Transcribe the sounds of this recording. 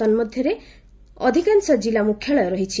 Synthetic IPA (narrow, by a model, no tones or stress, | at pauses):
ɔnmɔd̪ʱjɔɾe | ɔd̪ʱikansɔd͡ʒilamukʰːjɔɭɔjɔɾɔɦit͡ʃʰi